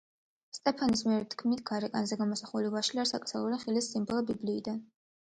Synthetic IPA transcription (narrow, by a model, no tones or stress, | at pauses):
st̪ʼɛpʰanismiɛɾɛt̪ʰkʰmit̪ʰɡ̥aɾɛkʼanzɛɡamɔsaχulivaʃliaɾsa̰kʼt̪salˠuɾiχilisːimbɔlˠɔbibliːd̪an